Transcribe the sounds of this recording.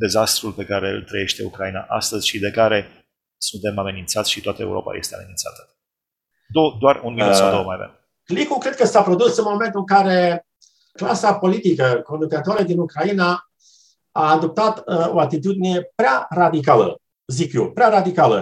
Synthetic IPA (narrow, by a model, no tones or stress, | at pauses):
d̪e̞zast̪ɾulpe̞kaɾe̞ɨ̰lt̪ɾəje̞ʃt̪e̞ṵkɾaina̰ʔa̰st̪əzʲʃid̪e̞kaɾe̞ | sunt̪e̞mame̞nint̪satsʲʃit̪oat̪əḛṵɾo̞̰pa̰je̞̰st̪eame̞ninsa̰t̪ə̥ | d̪od̪oarunminut̪sad̪owəmajavḛm | klikukɾe̞d̪̚kəsapɾo̞d̪usɨnmo̞me̞nt̪ɨŋkaɾe̞ | klasapo̞lit̪ikəko̞nuk̪ət̪oaɾəd̪inukɾaina | aːd̪o̞p̚t̪at̪o̞at̪it̪ud̪ine̞pɾearad̪ikalə̰ | zikjopɾearad̪ikalə